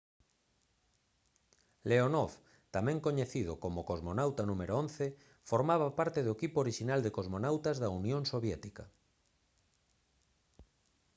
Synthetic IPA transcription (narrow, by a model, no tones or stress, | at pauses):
leonof | t̪amɛ̃ŋkoɲeθið̞okomokozmonawt̪anũmeɾoonθe | foɾmaβ̞apaɾt̪eðoekipooɾiʃinald̪ekozmonawt̪azðaunjõnsoβjɛt̪ika